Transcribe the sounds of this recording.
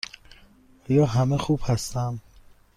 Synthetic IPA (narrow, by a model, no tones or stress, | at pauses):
ɒːjɒːɦæmexuːb̥hæst̪æm